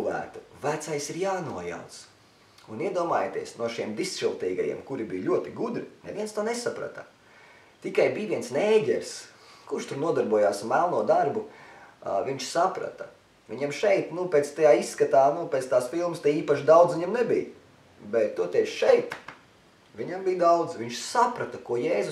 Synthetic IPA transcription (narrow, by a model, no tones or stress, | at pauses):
ʋæ̰ːt̪u̥væt̪sajsiɾjaːnuɔja̰wt̪s | uniɛd̪uɔmaːjaːt̪ḭɛsnuɔʃiɛmd̪isʃilˠt̪iːɡajḭɛmkuɾibijʎʲuɔt̪iɡud̪ɾinɛvʲiɛnst̪oːnesapɾa̰t̪ɐ | t̪ikajbiːʋiɛnsnɛːɟɛɾs | kuɾʃt̪uɾnuɔd̪aɾbuɔjaːsmælˠnuɔd̪aɾbu | ʋiɲt͡ʃsapɾa̰t̪ɐ | ʋiɲamʃɛjt̪nupʲeːt̪st̪ajaːisːkat̪aːnupʲɛːt̪st̪aːsfilˠmst̪ɛjiːpaʃd̪awd̪zviɲamnɛbḭj | bɛt̪ːuɔt̪ɛʃɛjt̪ | ʋʲiɲambijd̪awd̪z̥ʋiɲʃsapɾat̪ɐkuɔjɛːz